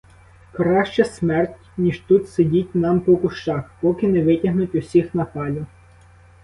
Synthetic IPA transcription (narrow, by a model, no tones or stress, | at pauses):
kɾɑʃt͡ʃɛsmɛrtʲnʲiʒt̪ut̪sedʲitʲnɑmpɔkʊʃt͡ʃɑxpɔkɪnɛʋɪtʲɐɦnʊtʲʊsʲixnɐpɑlʲʊ